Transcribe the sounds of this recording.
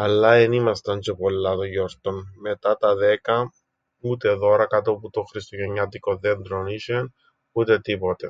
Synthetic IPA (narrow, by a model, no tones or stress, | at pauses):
ɐlːɐenimɐst̪ɐnt͡ʃepolːɐt̪oʝoɾt̪onme̞t̪ɐt̪ɐðe̞kɐ | ut̪e̞ðo̞ɾɐkɐt̪oput̪oxɾist̪oʝeɲːɐt̪ikoðend̪ɾoniʃen | ut̪e̞t̪ipo̞t̪e̞̰